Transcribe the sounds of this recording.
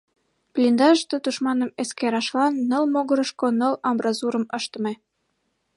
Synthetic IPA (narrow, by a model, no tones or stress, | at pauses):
plʲind̪ɑʒt̪et̪uʃmɑnəmeskeɾɑʃlɑnːəlmoɣə̆ɾə̆ʃkonəlɑmbrɑzuɾə̆məʃt̪ə̆me